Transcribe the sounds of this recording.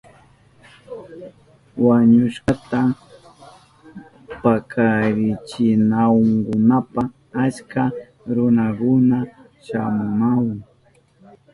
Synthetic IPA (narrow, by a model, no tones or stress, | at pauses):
waɲʊʃkat̪a | pakʰaɾɪt͡ʃɪnawʊŋkʊnapa | at͡ʃka | ɾʊnakʊna | ʃamʊnawaŋ